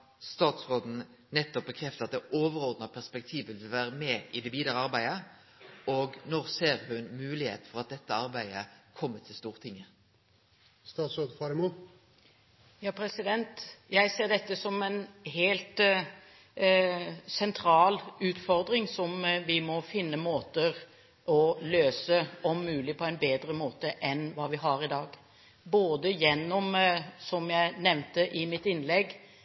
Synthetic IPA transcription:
st̪ɑːt̪sʁoːd̪n̩ | nɛt̪ːɔp̚bəkʰʁɛft̪əɑt̪̚d̪ɛʔoːʋəʁɔʁd̪nɑpʰæʁspɛk̚t̪ʰiːʋʋɪlʋɪlʋæːʁəmɛɪd̪ɛʋiːd̪əʁəɑʁbæɪə | ɔɡnɔʁseːɾhʉnmʉːlɪhḛːt̪fɔʁɑt̪̚d̪ɛt̪ːəɑɾbæɪəkʰɔmːət̪ʰɪlst̪uːʁət̪ʰɪŋːə | st̪ɑːt̪sɾoːd̪fɑɾɛmo | jɑːpʰɾɛsɪd̪ɛnt̪jæɪseːʁd̪ɛt̪ːəsɔmɛnɦeːlt̪ | sɛnt̪ʰɾɑːlʉːt̪fɔʁd̪ɾɪŋsɔmʋɪmɔfɪnːəmoːt̪əɾ | ʔɔløːsəɔmːʉːlɪpʰɔæɪnbeːd̪ɾəmoːt̪əʔɛnʋɑːʋɪɦɑɾɪd̪ɑːɡ | boːd̪əjɛnːɔmsɔmjæɪnɛʋnt̪əʔɪmɪt̪ɪnːlɛɡ

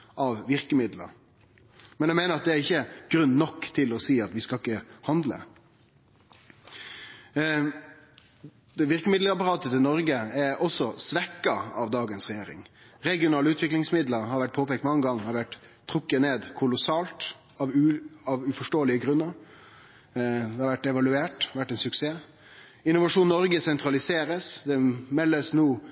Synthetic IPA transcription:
ʔɑʋʋɪɾkəmɪd̪lə̰ɾ | mɛnjæɪmeːnəɾɑt̪̚d̪ɛæɾɪçːəɡ̥ɾʉnːnɔkːt̪ʰɪlɔsiːɑt̪ʋɪskɑlɪkːəhɑnd̪lə̰ | d̪̥ɛʋɪɾkəmɪd̪ləɾɑpɑɾɑːt̪ət̪ɪlnɔɾɡəɛɾɔsɔsʋɛkːɑɑʋd̪ɑːɡənsʁɛjeːɾɪ̰ŋ | ɾɛɡɪʊnɑːləʉːt̪ʋɪklɪŋsmɪd̪ləɾhɑɾʋæʈ̚pʰoːpɛːk̚t̪mɑŋːəɡɑŋːɑɾʋæʈt̪ʰːɾʁʊkːəneːd̪kʰʊlʊsɑːlt̪ | ɑʋɑʋʉfɔʂʈoːəlɪəɡɾʉnːəɾ | d̪ɛhɑɾʋæʈːɛʋɑlʉeːʈʋæʈːɛnsʉkseː | ɪnʊʋɑʂuːnːnɔɾɡəsɛnt̪ʰɾɑlɪseːɾəsd̪ɛmɛlːəsnuː

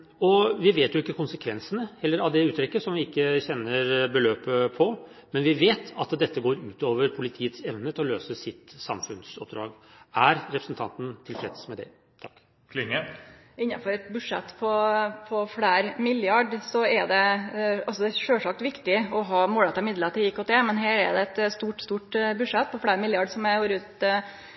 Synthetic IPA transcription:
ɔʋɪʋeːt̪jʊɪkːəkʰʊnsəkʰʋɛnsənəhɛlːəɾɑʋd̪ɛʉːt̪ʰɾɪkːəsɔmʋɪɪkːəçɛnːəɾbəløːpəpʰɔ | mɛnʋɪʋeːt̪ʰɑt̪d̪ɛt̪ːəɡoːɾʉːt̪oːʋəɾpʰʊlɪt̪ʰiːət̪sɛʋnət̪ʰɪlɔløːsəsɪt̪sɑmfʉnsɔp̚d̪ɾɑ̰ːɡæɾɾɛpɾəsn̩t̪ʰɑ̰nt̪n̩t̪ʰɪlfɾɛ̰t̪smɛd̪ɛ̰ | t̪ʰɑkː | kʰlɪŋːə | ɪnːɑfɔɾɛt̪bʉʂɛt̪ːpʰɔpʰɔfɽeːɾmɪljɑɖsɔɛd̪ɛɑlsɔd̪ɛʂøːʂɑk̚t̪ʋɪkt̪ɪɔɦɑːmoːlɛt̪ɑɪmɪd̪lət̪ʰɪiːkʰoːt̪ʰeːmɛnɦæːɾɛ̰d̪ɛɛt̪st̪uːʈst̪uːʈbʉʂɛt̪ːpʰɔfɽæːɾmɪljɑɖsɔmɛhoːɾʉːt̪

